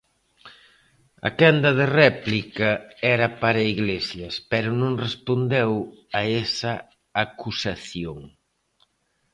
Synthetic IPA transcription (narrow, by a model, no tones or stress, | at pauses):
ɐ̰kɛnd̪ɐðerɛplikɐɛɾɐpaɾɐiɣlesjɐspɛɾʊnõŋrespond̪ewaɛsɐ | akusaθjoŋ